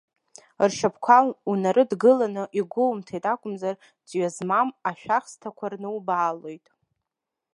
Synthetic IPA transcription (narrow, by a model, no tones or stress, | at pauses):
rʃapʰkʷʰalunaɾɨdɡɨlanɨʔiɡʷʊlwmtʰajtʼakʷʼʊmzar | d͡zɥazmamaʃᶣaχstʰakʷʰarnɨwbaːlo̞jtʼ